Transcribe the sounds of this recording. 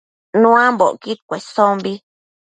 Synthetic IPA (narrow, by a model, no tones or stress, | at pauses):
nũãmboʔkit̪kʷesombi